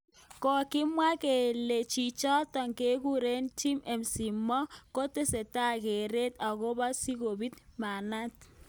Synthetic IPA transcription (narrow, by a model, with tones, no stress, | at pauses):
kɔ˨kɪ˦mwa˦ke˨le˨t͡ʃi˨t͡ʃɔ˦tɔ˨ŋke˦ku˦ɾe˦nti˦mɛ˨msi˨mːɔ˦ko˦te˦se˨ta˦ke˨ɾe˦ta˨ɣo˦ba˦si˦ko˨bi˦tma˨na˦t̚